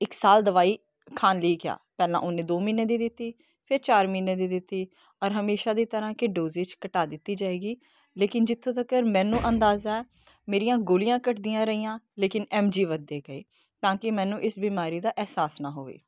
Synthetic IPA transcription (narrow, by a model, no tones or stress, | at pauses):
ɪksaːld̪əʋaːiː | kʰaːnliiːkɪja̰ːpɛːlã̰ːʔʊneːd̪oːmiːneːd̪iːd̪ɪt̪ːiː | pʰɪɾt͡ʃaːɾmiːnːeːd̪iːd̪ɪt̪ːiː | ɔːɾɦəmeːʃaːd̪iːt̪əɾãːkɪɖoːzeːt͡ʃkəʈaːd̪ɪt̪ːiːd͡ʒaːeːɡiː | leːkɪnd͡ʒɪt̪ʰːõːt̪əkəɾmɛ̃ːnũːʔənd̪aːzaɛ | meːɾijãːɡoːlɪjãːkəʈd̪ɪjãːɾəiːjãːleːkɪnɛːmd͡ʒiːʋəd̪eːkəḛː | t̪ãːkɪmɛːnũːʔɪsbiːmaːɾiːd̪aːʔɛːsaːsnãːɦoːʋḛː